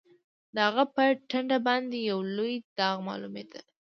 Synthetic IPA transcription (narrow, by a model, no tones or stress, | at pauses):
d̪əhaɣapəʈaɳɖabɑnd̪ejawlojd̪̥ɑɣmɑ̰lumed̪ə